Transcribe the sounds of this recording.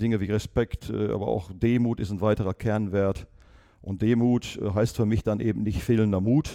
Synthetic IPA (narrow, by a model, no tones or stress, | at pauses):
d̥ɪŋəviːʁɛspɛktʔːʔa̰ːbɐʔa̰ʊxd̥eːmuːtɪstn̩vaɪtəʁɐkʰɛɐnveːɐt | ʔʊnt̚d̥eːmuːtːɦaɪstfyːɐmɪçd̥anʔeːbm̩nɪçtfeːləndɐmuːt